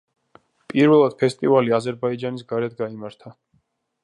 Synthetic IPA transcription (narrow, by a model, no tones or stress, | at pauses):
pʼiɾvɛlˠad̪̥̚pʰɛst̪ʼivaliazɛɾbaid͡ʒanisɡaɾɛd̪ɡaimaɾt̪ʰa